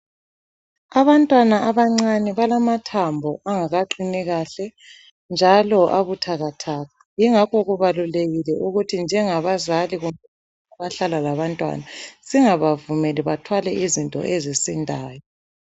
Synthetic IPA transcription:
aβantʼwanaaβaŋ͡ǀanɛβalamatʰambʱɔaŋaɣaǃinɛɣaɬɛ | nd͡ʒʱalɔʔaβutʰaɣatʰaːɣajiŋakʰɔɣuβaluleɣilɛʔuɣutʰind͡ʒʱɛŋaβazaliɣumbʱɛβ | aβaɬalalaβantʼwa̰nasiŋaβavumɛliβatʰwalɛʔizintʼɔ̰ʔezisindʱaːjɔ

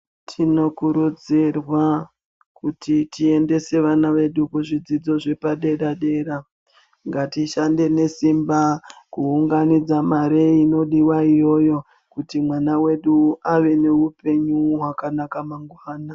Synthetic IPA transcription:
tʰino̞kuɾud͡zirwa | kutitie̞nde̞se̞ʋanaʋe̞ɗukuʐid͡zid͡zo̞ʐe̞paɗe̞ɾaɗe̞ːɾa | ŋɡatiʃande̞ne̞simbakuːŋɡanid͡zamaɾeino̞ɗiwaijo̞jo̞ | kutimwanawe̞ɗuaʋe̞ne̞upe̞ɲuɦwakanakamaŋɡwaːna

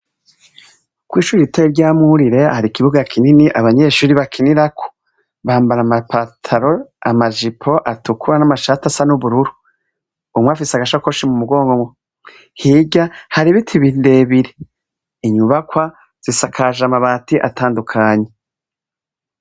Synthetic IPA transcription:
kwiːʃuːɾiiteiɾɟaːmuɾiɾe̞haɾikiβuɡakʰininiʔaβaɲe̞ʃuːɾiβakʰiniɾakʰo̥ | βaːmbaɾamapatʰaɾoamaʒipʰo̞ʔatukʰuɾanamaʃatasanuβuɾuɾu | umŋweafiseaɡaʃakoʃimumuɡo̞ːŋɡo̞mwe | hiːɟahaɾiβitʰiβindeːβiɾe | iɲuβakwa | z̥isakʰaʒamaβaːtiʔa̰taːndukʰaːɲe

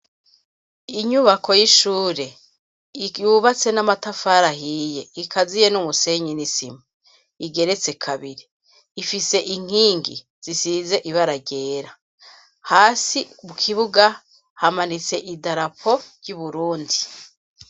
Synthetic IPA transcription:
iɲuβakʰo̞jiʃuːɾe̞ | juβat͡se̞namatafaɾaɦiːje̞ikʰazijenumuse̞ɲinisima | iɡe̞ɾe̞t͡se̞kʰaβiɾiː | fise̞ʔiŋ̥iːŋɡḭ | z̥isize̞ʔiβaɾaɟe̞ːɾa | haːsimukʰiβuɡa | hamanit͡se̞ʔidaɾapʰo̞ɾɟuβuɾuːndi

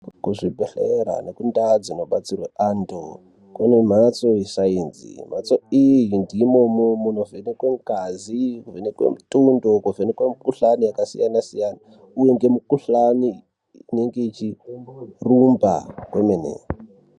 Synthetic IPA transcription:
kuʐibʱeɬeɾa̰nekundad͡zino̞ɓat͡sirweʔando | kwenem̤at͡so̞jisaiːnzḭm̤at͡soijindimomomunovenekweŋkazikuvenekwḛmitundo̞kuvenekwemukuɬanijakasḭjanasijana | uje̞ŋɡe̞mukuɬaniː | ne̞ŋɡe̞it͡ʃi | rumba̰kwemenḛ

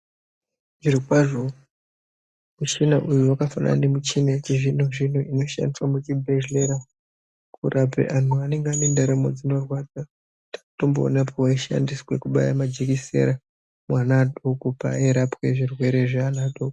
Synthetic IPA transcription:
ʐiriwaʐo | mut͡ʃinaʔujuwakafana̰ne̞mut͡ʃinat͡ʃeʐinoʐinoʔino̞ʃa̰ndiswamut͡ʃibʱeʒleɾa | kuɾʔapḛʔan̤uane̞ŋɡeanendaɾemo̰d͡zino̞rwad͡za | tḁkato̞mbo̰ːnapʰowaiʃa̰ndiswe̞kuɓa̰ja̰mad͡ʒekise̞̰ɾa | mwanaɗokupa̰eɾapwe̞ʐirwe̞ɾe̞ʐaanaɗoko̥

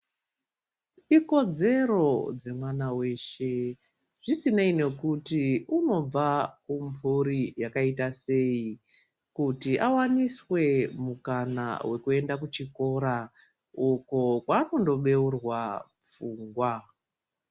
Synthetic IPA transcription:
iko̞d͡ze̞ɾo̞d͡ze̞mwanawe̞ːʃe̞ | ʐ̥isineine̞kutiuno̞b͡vakumpʰuɾijakaitase̞ːi | kutiʔawaniswe̞mukana̰we̞kue̞ndakut͡ʃiko̞ɾa | uko̞kwaːno̞ndo̞ɓe̞urwa | p͡fuːŋɡwa

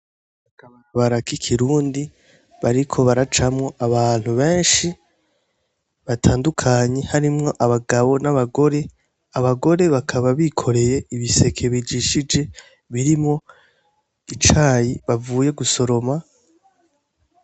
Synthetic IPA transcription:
akaβaβaɾakikʰiɾuːndi | βaɾikʰo̞βaɾat͡ʃamŋo̞ʔaβaːn̥huβe̞ːnʃi | βatʰaːndukʰaːɲe̞haɾimŋo̞ʔaβaɡaβo̞naβaɡoɾe̞ | aβaɡo̞ɾe̞βakʰaβaβikʰo̞ɾe̞je̞ʔiβise̞kʰe̞βid͡ʒiʃid͡ʒe̞ | βiɾimŋo̞ | it͡ʃaːjiβavuːje̞ɡuso̞ɾo̞ma

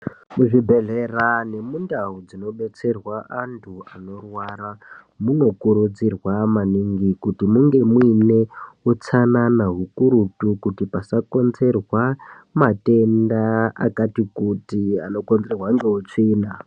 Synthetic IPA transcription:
muʐibʱe̞ɮe̞rane̞mundaɦud͡zino̞ɓe̞t͡se̞rwaʔantʰuano̞rwaɾa | muno̞kuɾud͡zirwamaniŋɡikutimuŋɡe̞mwine̞ut͡sananaɦukuɾutukutipasako̞nze̞rwa | mate̞ndaa̰katikutiano̞konze̞rwaŋɡeut͡ʂiːna

